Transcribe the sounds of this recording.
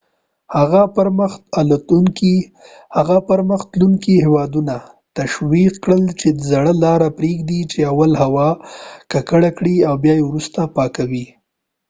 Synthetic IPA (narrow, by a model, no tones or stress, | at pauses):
haɣapəɾməxt̪alat̪uŋki | haɣapəɾməxt̪luŋkihewɑd̪una | t̪aʃwiqkɽəlt͡ʃed̪əzaɽəlɑɾapɾeɡd̪it͡ʃeawalhawɑkakəɽakɽiawbjɑjewɾust̪apɑkawi